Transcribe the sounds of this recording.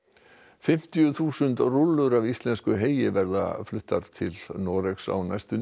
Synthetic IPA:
fɪm̥t̪ijʏθuːsʏnt̪rʊlːʏɾavist̪lɛnskʏɦeːjɪvɛɾða̰flʏht̪ːaɾt̪ʰɪlnɔːɾeksa̰wnajst̪ʏ

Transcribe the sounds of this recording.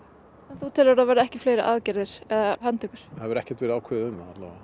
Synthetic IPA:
ɛnθuwt̪ʰɪːlʏɾavaːɾɪɛhcɪfleːjɾɪʔaːðcɛɾðɪɾ̥ɛðhant̪ʰʏkʏɾ̥haðvʏɾɛhcɛt̪vɪɾaːwkʰɛːðʏmːaat̪lɛa

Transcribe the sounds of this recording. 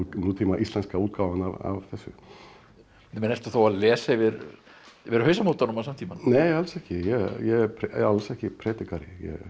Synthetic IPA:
nuːt̪ʰiːmaʔist̪ɛnskauːt̪̚kaːwvanava̰vθɛsːʏ̰ | nmɛnɛlt̪ʏθowaðlɛːsavɪɾ | vɪɾhœɥsamot̪aɾnʏmasamnt̪ʰimannɛːjɛhalsɛhcɪjɛjɛɛɾpʰɾ̰alsɛhcɪpʰɾɛːt̪ɪkaɾɪjɛ̰

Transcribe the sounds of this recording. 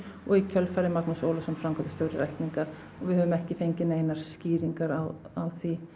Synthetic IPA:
ɔɣicʰœlfajɾɪmaknusoːwlasɔmfɾamkʰat̪ɪ̥st̪jowɾɪɾɛjhkniŋka | ɔɣvɪðhœvʏmɛhcɪfejɲcɪnejnaɾ̥sciːɾiŋkaɾawawθi

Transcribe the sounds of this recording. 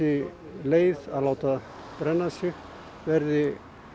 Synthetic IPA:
ɪ | leːjðalaːwt̪a | pɾɛnːasʏ | vɛɾðɪ

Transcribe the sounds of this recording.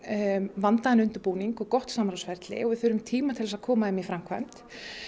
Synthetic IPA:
vant̪aðɛnʏnt̪ʏɾpuːniŋkɔɣkɔht̪samɾawsfɛɾ̥t̪lɪ̰ɔɣvɪðθʏːɾʏmt̪ʰiːmat̪ʰɪlɛsaðkʰɔːmaɛmifɾamkʰva̰jm̥t̪

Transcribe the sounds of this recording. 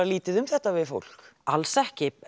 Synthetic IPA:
liːt̪ɪðʏmθɛht̪ːavɪðfo̰wl̥k | alsɛhcɪ

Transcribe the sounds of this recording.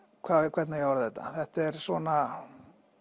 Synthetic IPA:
kʰvakʰvɛt̪najɛawɾθɛht̪ːa̰θɛht̪ɛɾsvɔna

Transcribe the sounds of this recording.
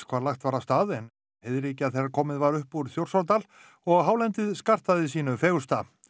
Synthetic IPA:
kʰvaːɾlaxt̪vaːɾast̪aːðɛn | hɪðɾiːcɪaðθeɾaɾkʰɔːmɪðvaɾʏhpuɾθjowr̥saɾt̪̬al | ɔɣɦaːwlɛnt̪ɪðskar̥t̪aðɪsiːnʏfeːɣʏst̪a

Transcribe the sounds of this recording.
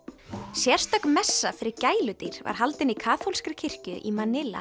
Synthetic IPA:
sjɛr̥st̪œknmɛsːafɪɾɪɾcaːjlʏt̪iɾ̥va̰ɾ̥ɦalt̪ɪnikʰaːθowlskɾɪcʰɪr̥cʏʔimanɪla̰

